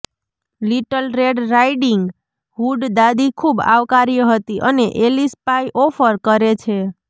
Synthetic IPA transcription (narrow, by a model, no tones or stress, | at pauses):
liʈəlɾeɖɾaiɖiŋɡ | ɦuɖd̪ad̪ikʰuba̰ʋkaɾijəɦət̪iʔəneʔelispajʔɔfəɾkəɾet͡ʃʰe